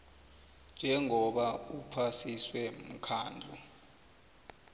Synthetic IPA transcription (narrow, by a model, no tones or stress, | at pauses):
nd͡ʒʱɛŋɔɓaupʰasiswɛm̩kʰaːnd͡ɮʱu